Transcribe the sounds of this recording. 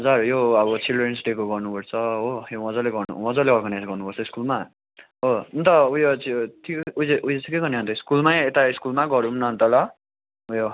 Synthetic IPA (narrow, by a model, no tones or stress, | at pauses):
ʌd͡zarjoʌβʌt͡sʰilrensʈekoɡʌrnupʌrt͡sʰʌɦojowʌ̃d͡zʌleɡʌrnṵwʌ̃d͡zʌleʌrɡʌnajd͡zɡʌrnupʌɾt͡sʰʌiskulma | ɦount̪ʌujot͡sit̪ʰikud͡zeʔujet͡sʰikeɡʌniɦʌnt̪ʌiskulmajet̪aiskulmaɡʌɾunnʌnt̪ʌlʌ | ujo